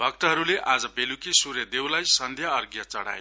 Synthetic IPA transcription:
bʱʌk̚t̪ʌɦʌɾuleʔad͡zʌbelukisurjʌd̪ewlajsʌnd̪ʱjaʌrɡjʌt͡sʌɽa̰je

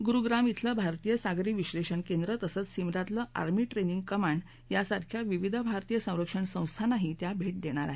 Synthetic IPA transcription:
ɡuɾuɡɾamit̪ʰləbʱaɾt̪ijəsaɡɾiːʋiɕleɕəɳkend̪ɾət̪əsət͡ssimɾat̪ləʔa̰ɾmiːʈɾeniŋɡ̚kəmaɳɖ | jasaɾkʰjaʋiʋid̪ʱəbʱaɾt̪ijəsə̃w̃ɾəkʂəɳsə̃w̃st̪ʰanaɦit̪jabʱeʈ̚d̪eɽ̃aɾaɦe

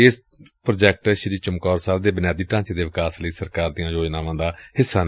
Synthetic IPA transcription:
eːs | pɾoːd͡ʒɛːk̚ʈʃəɾiːt͡ʃəmkɔːɾsaːld̪eːbənjaːd̪iːʈãːt͡ʃeːd̪eːʋɪkaːsləiːsəɾkaːɾd̪ijãːjoːd͡ʒnãːʋãːd̪aːhɪsːaːn

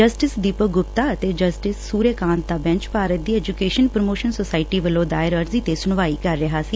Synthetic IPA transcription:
d͡ʒəsʈɪsd̪iːpəɡʊpt̪aːət̪eːd͡ʒəsʈɪsːuːɾeːkãːnt̪̚d̪aːbɛ̃ɲt͡ʃpaːɾət̪̚d̪iːɛːd͡ʒukeːʃənpɾəmoːʃənsoːsaːɪʈiːʋəlːõːd̪aːɪɾəɾziːt̪eːsʊɳʋaːiːkəɾːɪɦaːsiː

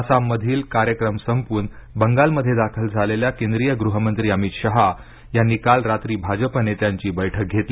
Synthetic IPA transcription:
samːəd̪ʱiːlkaɾjəkɾəmsəmpuːnbəŋɡalməd̪ʱːjed̪akʰəld͡zʱaleljakẽnd̪ɾijəɡɾuɦəmənt̪ɾiːəmit̪ɕəɦa | janːiːkalɾat̪ɾiːbʱad͡ʑəpənet̪jaɲt͡ɕiːbəjʈʰək̚ɡʱet̪li

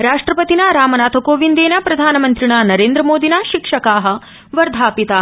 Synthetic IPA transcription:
ɾaːʂʈɾɐpɐt̪inaːɾaːmɐnaːt̪ʰɐkoːʋind̪eːnjaːpɾɐd̪ʱaːnɐmɐnt̪ɾiɳaːnɐɾẽːnd̪ɾɐmoːd̪inaːʃikʂɐkaːɦɐ̆ | ʋɐɾd̪ʱaːpit̪aː

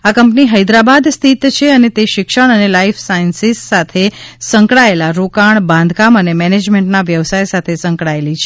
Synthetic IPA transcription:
akəmpniɦəjd̪ɾabad̪st̪ʰit̪t͡ʃʰeənet̪eʃɪkʃəɳ̃ənelaifʰsainsisːat̪ʰesə̃ŋkɽaelaɾokaɳ̃bãnd̪ʱkamənemɛned͡ʒmẽɳʈnaʋjəʋsajsat̪ʰesə̃ŋkɽaelit͡ʃʰe

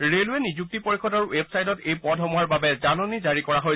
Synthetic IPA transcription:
ɹeluɛnizuk̚tipoɹikʰɔtaɹuebsajdɔtejpɔdʱɦɔmuɦaɹbabɛzanɔnizaɹikɔɹaɦoj

